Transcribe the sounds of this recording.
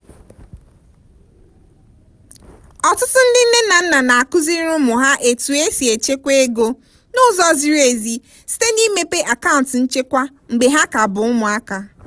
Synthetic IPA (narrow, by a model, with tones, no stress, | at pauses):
ɔ˨tʊ˦tʊ˦n̩˦dɪ˦n̩˦nɪ˦n̩˦na˨n̩˦na˨na˨a˨kʊ˦zi˦ɾʊ˦mʊ˨ɦa˦ʔe˨tu˨e˦si˨e˨t͡ʃe˦kʷe˦e˦ɡo˦ | nʊ˦zɔ˦zi˦ɾu˦e˨zi˨ | si̥˨te˦ni˦me˦pe˦ʔa˨ka˦ʊ̃˨n̩˨tn̩˦t͡ʃe˦kʷa˦ | ŋ͡m̩˨ɡ͡be˨ɦa˦ka˨bʊ˨ʊ˦mʊ˨a˦ka˨